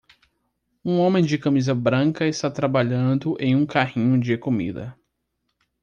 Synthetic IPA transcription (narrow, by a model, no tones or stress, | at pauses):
ũõmẽj̃d͡ʒɪkɐmizɐbɾɐ̃kɐɪst̪at̪ɾabaʎɐ̃d̪ʊʔẽj̃ũkahĩɲʊd͡ʒɪkomḭd̪ɐ̰